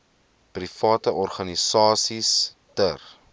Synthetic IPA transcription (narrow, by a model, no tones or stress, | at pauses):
prifɑːtəʔɔrχɐnisɑːsis | tər